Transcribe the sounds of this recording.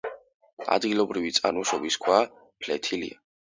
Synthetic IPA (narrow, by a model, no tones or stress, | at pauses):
a̰d̪ɡilˠɔbɾivit̪sʼanuʃɔbiskʰwa | pʰlɛt̪ʰilḭa